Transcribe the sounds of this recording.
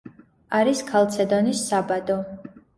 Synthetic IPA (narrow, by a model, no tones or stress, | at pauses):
aɾiskʰalˠt̪sʰɛd̪ɔnisːabad̪ɔ